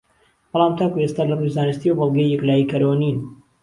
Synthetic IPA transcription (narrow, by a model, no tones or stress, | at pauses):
b̥ɑlˠaːmt̪ʰaːkuest̪aːlɐrujzaːnɨst̪iːwɐbɑlˠɡɐjːɛklaːjikɐɾowniːn